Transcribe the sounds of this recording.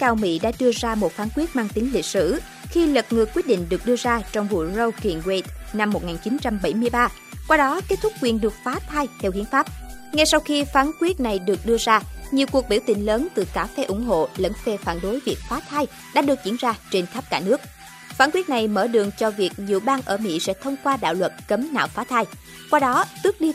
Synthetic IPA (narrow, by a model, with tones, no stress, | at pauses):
kaː˧wmḭ˧˥ɗa̰ː˧˥ɗɨ˧əzaː˧mo˨˩t̚faː˧˩˦nkwi˦˥ət̚maː˧ŋt̪i˨˦ŋlï˨˩t̚sɨ̰˧˩ | xi˧lə˨˩t̚ŋɨ˨˩kwt̚ɗḭ˧˨ŋ̟ɗɨ˨˩ək̚ɗɨ˧əzaː˧t͡ɕɔ˧wŋ͡mvṵ˧˨zə˧wki˧˨ŋwe˧˦t̪na˧mːo˨˩t̚ŋaː˨˩nt͡ɕi˨˦nt͡ɕa˧mɓə˧˩jmɨ˧əjɓaː˧ | kwaː˧ɗɔ˨˦ke˦˥t̚t̪ʰʊ˦˥k͡p̚kwi˨˩ənɗɨ˨˩ək̚faː˨˦t̪ʰaː˧jt̪ʰɛ˧whi˨˦ənfaː˦˥p̚ŋa˧jsa˧wxi˧faː˨˦nkwi˦˥ət̚na˨˩jɗɨ˨˩ək̚ɗɨ˧əzaː˧ɲi˨˩əwku˨˩ək̚ɓi˧˩wt̪ï˧˩ŋ̟ləː˨˦nt̪ɨ˨˩kaː˧˩fɛ˧ʔʊ˧˩ŋ͡mɦo̰˧˨lə̰˧˥nfe˧faː˧˩nɗo˨˦jvi˨˩ək̚faː˨˦t̪ʰaː˧j | ɗa̰ː˧˥ɗɨ˨˩ək̚t͡ɕḭ˧˩ənzaː˧t͡ɕe˧nt̪ʰə˦˥p̚kaː˧˩nɨ˦˥ək̚ | faː˧˩nkwi˦˥t̚na˨˩jməː˧˩ɗɨ̰˨˧˨əŋt͡ɕɔ˧vi˨˩ək̚ɲi˨wɓaː˧ŋʔəː˧˩mḭ˧˥sɛ̰˧˥t̪ʰə˧wŋ͡mkwaː˧ɗa̰ː˧˨wlwə˨˩t̚kə˨˦mna̰ː˧˨wfaː˨˦t̪ʰaː˧j | kwaː˧ɗɔ˨˦t̪ɨ˦˥ək̚ɗi˧